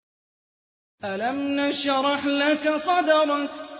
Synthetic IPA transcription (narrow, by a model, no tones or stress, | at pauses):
ʔalamnaʃɾˤɑħlakasˤɑd̪ɑɾˤ